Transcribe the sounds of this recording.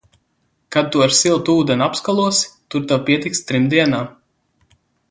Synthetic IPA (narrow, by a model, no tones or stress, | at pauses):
kad̪̚t̪ːuaɾsilˠt̪uːd̪ɛnapskalˠuɔst̪uɾt̪awpʲiɛt̪ikst̪ɾimd̪iɛnaː